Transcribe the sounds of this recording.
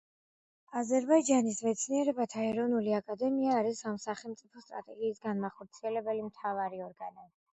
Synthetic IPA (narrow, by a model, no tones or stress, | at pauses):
azɛɾbaid͡ʒanismɛt̪sʰniɛɾɛbat̪ʰaɛɾɔnuliakʼad̪ɛmiaːɾisamsaχɛlˠmt̪sʼipʰɔst̪ʼɾa̰t̪ʼɛɡiːsɡanmaχɔɾt̪sʰiɛlɛbɛlimt̪ʰavaɾiɔɾɡana